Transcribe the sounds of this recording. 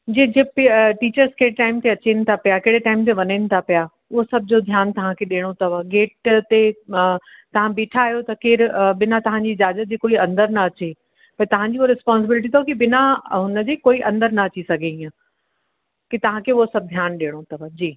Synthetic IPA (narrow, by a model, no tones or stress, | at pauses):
d͡ʑeːd͡ʑepiʈiːt͡ɕəɾzkeːɽɪʈaːɪmt̪ʰeɐt͡ɕenɪ̆t̪ʰapijakeːɽeʈaːɪmt̪eʋɐɲənɪ̆t̪ʰapija | ʊɦosɐbʱɪd͡ʑod̪ʱjaːnt̪ɐʋ̤ãkʰeɗeːɽ̃ot̪ɐʋəɡeːʈt̪e | t̪ɐʋ̤ãbiːʈʰaːɦijot̪ɐkeːɾɓɪnat̪ɐʋ̤ãɲd͡ʑiɪd͡ʑaːzət̪̚d͡ʑiːkoːiɐ̃nd̪əɾnɐɐt͡ɕe | pɐɾt̪ɐʋ̤ãɲd͡ʑiɦoɾɪspɔ̃ːns̬ɪbɪlɪʈ̬it̪ʰɐokibɪnaɦʊ̃nəd͡ʑeːkoːiʔɐ̃nd̪əɾnɐɐt͡ɕisɐɡʱeĩã | kit̪ɐʋ̤ãkʰeːʊɦosɐb̚ʱd̪ʱjaːnɗeːɽ̃ot̪ʰɐʋəd͡ʑiː